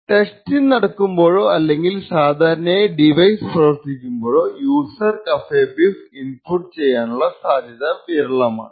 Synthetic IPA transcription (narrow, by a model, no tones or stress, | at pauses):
ʈe̞stilnɐɽɐkːumbo̞ːɻoɐlːe̞ŋɡilsaːd̪ʱaːɾɐnɐeɖiʋɐjsprɐʋɐrt̪ːikʲːumbo̞ːɻoːjuːsɐrkɐfeːbifinpuʈːt͡ɕe̞jːaːnuɭːɐsaːd̪ʱjɐðɐʋiɾɐɭɐma̰ːɳɨ